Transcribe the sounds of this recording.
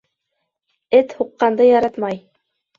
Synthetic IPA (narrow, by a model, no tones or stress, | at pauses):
ɘt̪huqːɑnd̪ɤjɑɾɑt̪mɑj